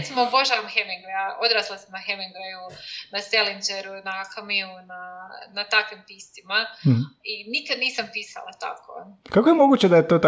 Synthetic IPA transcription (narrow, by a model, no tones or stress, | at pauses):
ɾet̪simoboʒaʋamxemeŋɡɾejaʔod̪ɾasilˠasamnaxemeŋɡɾejunaselind͡ʒeɾunakamiunanat̪akʋimpiːst̪imainikad̪niːsampiːsa̰lˠat̪a̰kokakojemoɡut͡ɕed̪ajet̪oːt̪